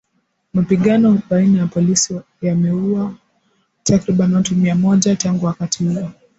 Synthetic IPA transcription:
mapiɠanɔɓainajapɔlisi | jamɛua | takɾiɓaniwatumiamɔʄataŋɡuwakatihuɔ

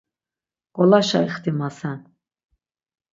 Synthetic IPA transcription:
kʼɔlaʃa̰iχt̪ʰimasɛn

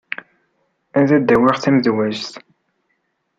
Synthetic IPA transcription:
ænðæd̪ːæwɪʁθæməðwæʒθ

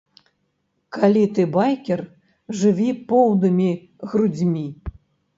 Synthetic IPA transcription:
kalʲit̪ɨbajkʲɛr | ʐɨvʲipɔwnɨmʲi | ɣɾud͡zʲmʲi

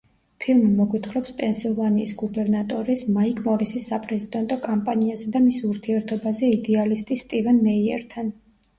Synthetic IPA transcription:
pʰilˠmimɔɡwit̪ʰχɾɔpspʼɛnsilˠvaniːsɡubɛɾnat̪ʼɔɾismaikʰʼmɔvisisːapʼɾɛzid̪ɛnt̪ʼɔkʼampʼaniazɛd̪amisuɾt̪ʰiɛɾt̪ʰɔbazɛid̪ɛalist̪ʼist̪ʼivɛnːɛiɛ̰ɾt̪ʰan

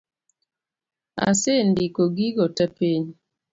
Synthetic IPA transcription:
a̰sendikoɡiɡɔtapiɲ

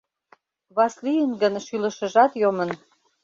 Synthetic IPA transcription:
βɑslijənɡənʃylə̆ʃə̆ʒɑt̪jomə̆n

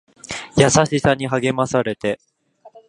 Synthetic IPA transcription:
jasaɕisaɲ̟iɦaɡe̞masaɾe̞t̪e̞

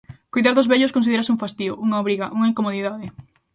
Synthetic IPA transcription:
kojðaɾðʊzβeʎoskõnsiðeɾasɪũŋfast̪io̰ʔuŋɐoβɾiɣɐʔuŋɐiŋkomoðiðaðɪ

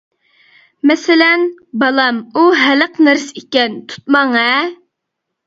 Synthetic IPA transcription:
mɛsɪlɛnbɑlˠɑmuɦæləqnɛɾsikʲɛnt̪ʰu̥t̪̚mɑŋɛ

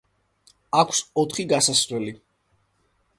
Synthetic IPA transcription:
akʷʰsɔt̪ʰχiɡasasɾɛli

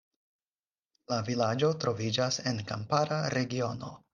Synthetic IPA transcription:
lavilad͡ʒo̞tɾo̞vid͡ʒase̞nkampaɾaɾe̞ɡio̞no̞̰

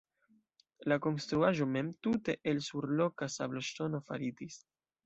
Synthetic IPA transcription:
lako̞nst̪ɾuaʒo̞me̞mtute̞ʔelsuɾlo̞kasabloʃto̞no̞fa̰ɾidis

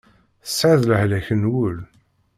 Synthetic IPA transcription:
θə̥sːʕaðləhlæçənwʊl

